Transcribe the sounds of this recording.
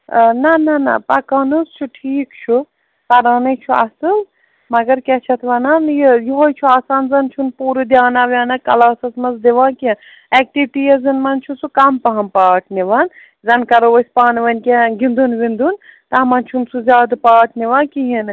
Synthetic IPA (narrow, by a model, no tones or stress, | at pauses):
nɐnɐnɐ̰pɐkɐnɐst͡ʃʰuʈʰiːkt͡ʃʰu | pɐɾaːnɐt͡ʃʰuɐ̰sɨl | mɐɡɐɾkɛt͡ʃʰɐt̪ʰʋɐnanjijiɦojt͡ʃʰuaːsaːnzɐnt͡ʃʰunpuːɾɨd̪jaːnaʋjaːnɐkɐlaːsɐsmɐzd̪eʋãːkẽ | ɛk̚ʈiʋiʈijezɨnmɐnt͡ʃʰusukɐmpɐɦɐnpaːʈʰniʋɐn | zɐnkɐɾoʋɐsʲpaːnʋɐnkeɡind̪unʋind̪unt̪ɐamɐnt͡ʃʰunsuzʲaːd̪paːʈʰniʋaːnkiɦin